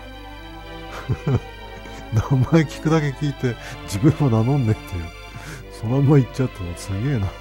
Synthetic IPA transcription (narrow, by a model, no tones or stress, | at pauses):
namaekʲi̥kɯ̟d̪ake̞kʲiːt̪e̞ | d͡ʑibɯ̟̃ɰːananõ̞nd̪e̥t̪ʰːeɯ | so̞namːait͡ɕt͡ɕːat̪ːemosɨɡe̞ːna